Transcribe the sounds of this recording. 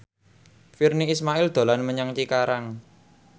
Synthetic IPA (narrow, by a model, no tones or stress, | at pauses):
firniːsmaʔɪld̪̥o̤lanməɲəŋt͡ʃikaɾaŋ